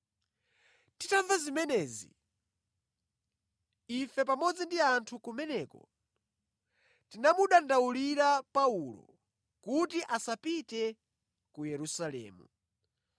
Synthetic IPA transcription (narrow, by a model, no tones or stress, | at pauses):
titaɱvazimɛnɛːzḭ | ifɛp̬amɔd͡zindiantʰukumɛnɛːkɔ̰ | tinamuɗandauliɾapaulɔ̰ | kutiʔasapitɛ | kujɛɾusalɛ̰ːmṵ